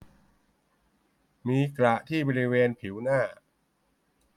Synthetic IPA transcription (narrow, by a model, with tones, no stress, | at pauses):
miː˧kɾa˨˩ʔt̪ʰiː˥˩bɔː˧ɾi˦˥weː˧npʰi˩˦wnaː˥˩